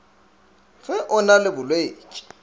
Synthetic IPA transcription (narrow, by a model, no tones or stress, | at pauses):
fɛʔʊnalɪbʊlweːt͡ʃʼi̥